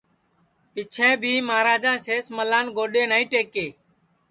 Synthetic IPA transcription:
pɪt͡ʃʰɛ̃ːbʱiːmaːɾaːd͡ʒãːseːsməlaːnɡoːɗeːnaːĩːʈeːkeː

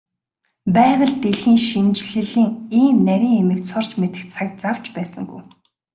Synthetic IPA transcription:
pæːwə̆ɮt̪eɮxiːŋʃint͡ɕɮɘ̆ɮiːŋiːmnæɾʲiːŋemɘ̆k̚t͡sʰʊr̥t͡ɕmet̪ɘ̆k̪t͡sʰak̚t͡saw̥t͡ɕpæːsə̰̆ŋɡṵj

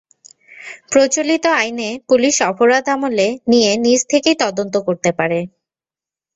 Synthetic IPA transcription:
pɾot͡ɕolit̪oajnepuliʃɔpoɾad̪ʱamolenijenid͡ʑt̪ʰekejt̪ɔd̪ont̪okoɾt̪epaɾe

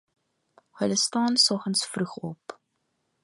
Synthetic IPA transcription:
hələstɑːnsɔχənsfruχɔ̰p

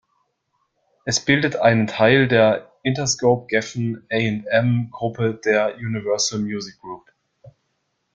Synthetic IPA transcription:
ʔɛsb̥ɪldətʰʔaɪnəntʰaɪldeːɐʔɪntɐskoʊp̚ɡ̥ɛfn̩ɛɪɛntɛmɡʁʊpədeːɐʔuːnivɜɐsl̩mjuːzɪk̚ɡ̥ʁuːp

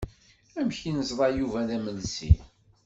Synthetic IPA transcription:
æmçinəzðˤɑjuvæðæməlsḭ

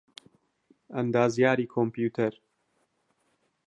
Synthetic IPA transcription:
ɐnd̪aːzjaːɾiːkʰompjuːt̪ʰɐɾ

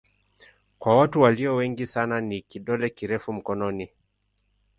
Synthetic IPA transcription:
kwawatuwaliɔwɛŋɡisananikiɗɔlɛkiɾɛfum̩kɔnɔni

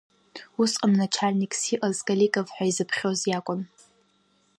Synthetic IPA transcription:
usqʼamnat͡ʃʰalʲnikʼsiʔazkʼalikʼavħʷᶣaizɨpʰχʲozjakʷʼʊn

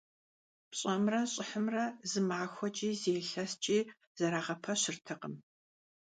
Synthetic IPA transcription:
pɕʼɐmrɐɕʼɪħəmrɐzɨmaːxʷɔt͡ʃʼiːzeːɬɐst͡ʃʼiː | z̥ɐɾaːʁɐpʰɐɕɪrtʰɐqə̰m

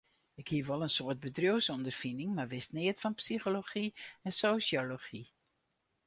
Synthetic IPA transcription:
ɪkhiəʋɔlˠənsoət̚bədrjoəsɔndərfinɪŋmarʋɪstnɪətfɔnpsixoloxiɛnsoːsjoloxi

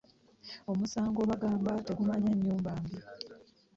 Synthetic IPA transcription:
o̞musaːŋɡo̞ːβaɡaːmbate̞ɡumaɲeɲːuːmbaːmbi

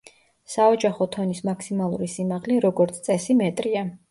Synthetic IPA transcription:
saɔd͡ʒaχɔt̪ʰɔnismakʰsimalˠṵɾisimaʁliɾɔɡɔɾt̪sʰt̪sʼɛsimɛt̪ʼɾia

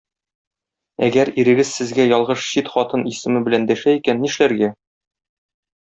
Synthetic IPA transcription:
æ̰ɡæɾiɾɘ̆ɡɘzsɘ̆zɡæjɒlˠʁɤʃɕit̪χɒt̪ɤnisɘ̆mɘbɘ̆lænd̪æʃæikænːiʃlæɾɡæ

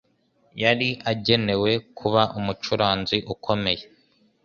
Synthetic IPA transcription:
jaɾiʔaɟe̞ne̞we̞kʰuβaʔumut͡ʃuɾaːnziʔukʰo̞me̞je̞

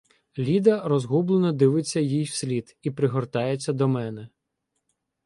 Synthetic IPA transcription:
lʲid̪ɐrɔzɦublˠenɔd̪ɪʋɪt͡sʲːɐjijw̥sʲlʲid̪ipɾɪɦɔrt̪ɑjet͡sʲːɐd̪ɔmɛnɛ

